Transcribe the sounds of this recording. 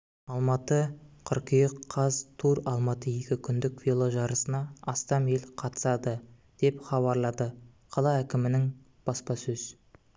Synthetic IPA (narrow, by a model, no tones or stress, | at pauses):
ɑlˠmɑt̪əqʰʏɾqijeqʰːɑzt̪ʰuɾɑlˠmɑt̪əje̞kʲɪkʲʰʏnd̪ɪkvʲilˠoʒɑɾəsənɑːst̪ɑme̞lqʰɑt̪ə̥sɑd̪ə | d̪̥e̞pχɑβɑɾlˠɑd̪ə | qʰɑlˠɑækʲɪmɪnɪŋ | b̥ɑspɑsɵz